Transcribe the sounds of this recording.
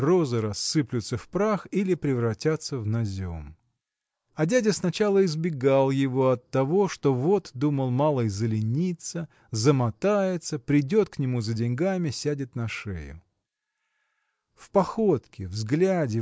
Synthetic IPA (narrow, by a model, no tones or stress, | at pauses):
ro̞zɨɾɐsːɨplʲʊt̪səfpɾaxilʲɪpɾʲɪvɾɐtʲat̪səvnɐzʲo̞̰m | ɐdʲædʲɪsnɐt͡ɕalˠəɪzbʲɪɡalˠjɪvo̞ɐt̪ːɐvo̞ʂt̪o̞vo̞t̪d̪uməlˠmɑlˠəjzəlʲɪnʲit̪sə | zəmɐt̪ajɪt̪səpɾʲɪdʲo̞t̪knʲɪmuzədʲɪnʲɡamʲɪsʲædʲɪt̪nɐʂḛjʊ̰ | fpɐxo̞t̪kʲɪvzɡlʲædʲɪ